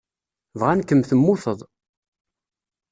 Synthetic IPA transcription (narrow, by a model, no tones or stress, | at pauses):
vʁænkːəmθəmːʊθəðˤ